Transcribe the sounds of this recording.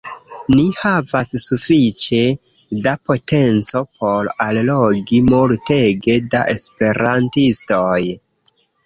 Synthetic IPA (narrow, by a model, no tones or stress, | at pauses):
nihavasːufit͡ʃe̞ | dapo̞te̞nt͡so̞p̚o̞ɾallo̞ɡimulteɡe̞da̰ʔe̞spe̞ɾantisto̞j